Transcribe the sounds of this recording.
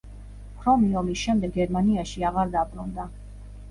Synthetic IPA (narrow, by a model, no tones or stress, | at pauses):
pʰɾɔmiɔmisʃɛmd̪ɛɡɛɾmaniaʃiaʁaɾd̪abɾund̪a